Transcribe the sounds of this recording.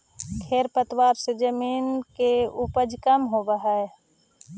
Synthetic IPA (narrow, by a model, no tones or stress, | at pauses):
kʰeːɾpət̪waːɾsed͡ʒəmiːnkeʊpəd͡ʒkəmɦobəɦae